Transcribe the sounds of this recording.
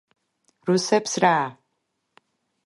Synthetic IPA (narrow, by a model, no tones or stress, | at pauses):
rusɐpsraː